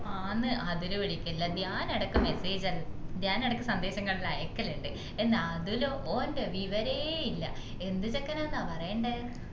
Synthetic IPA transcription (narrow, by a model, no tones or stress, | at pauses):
aːnːɨʔɐðiluʋiɽikʲːulːɐɲaːnɐɽɐkːɨme̞seːd͡ʑɐlɲaːnɐɽɐkːɨsɐnd̪e̞ːɕɐŋːɐɭilɐjɐkːɐleɳɖɨ | e̞nːaɐðuloːʔoːndɨʋiʋɐɾejeilːɐ̰ | e̞nd̪ɨt͡ɕekːɐnaːnːaːpɐrɐjɐɳɖɨ